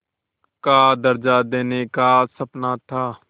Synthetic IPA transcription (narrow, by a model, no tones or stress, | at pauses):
kaːd̪əɾd͡ʒad̪eːnekasəpnat̪ʰaː